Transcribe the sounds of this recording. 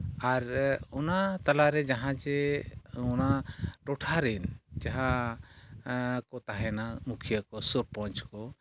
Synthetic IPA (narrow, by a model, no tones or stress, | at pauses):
aɾɔnat̪alaɾɛd͡ʒaɦãt͡ʃɛ | ɔnaʈɔʈʰaɾind͡ʒaɦã | kɔt̪aɦɛnamukʰijakɔsɔɾpɔ̃ɲt͡ʃkɔ